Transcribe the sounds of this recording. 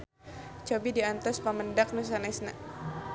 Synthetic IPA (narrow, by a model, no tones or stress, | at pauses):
t͡ʃobidiant̪ɔspaməndak̚nus̬anɛsna̰